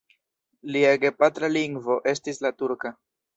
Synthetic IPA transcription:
liaɡe̞patɾaliŋɡvo̞ʔe̞stislatuɾka

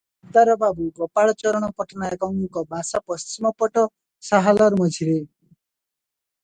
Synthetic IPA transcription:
t̪aɾɔbabukɔpaɭɔt͡ʃɔɾɔɽ̃ɔpɔʈʰnajekɔŋkɔbʱasapɔst͡ʃimɔpɔʈɔ | saɦalɔɾmɔd͡ʒʱiɾe

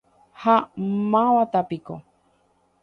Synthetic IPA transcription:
hamãβat̪apiko

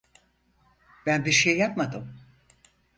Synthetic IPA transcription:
b̥ænbiɾʃejːapmad̪ɯm

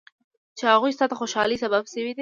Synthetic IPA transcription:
t͡ʃehaɣujst̪ɑt̪axoʃɑlisababʃəwid̪i

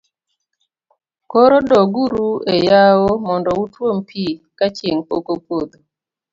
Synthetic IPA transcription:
koɾodɔɡuɾuejawomɔndɔutwompʰikat͡ʃeŋpokopwod̪o

